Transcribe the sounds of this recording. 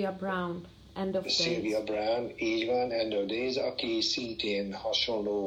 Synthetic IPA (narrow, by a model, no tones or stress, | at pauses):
iabɾawn | ɛ̃nd̪ɔsilviɑbrawniːɟʋanɛ̃nd̪ɔvd̪eːzɒkisint̪eːnhɒʃonloː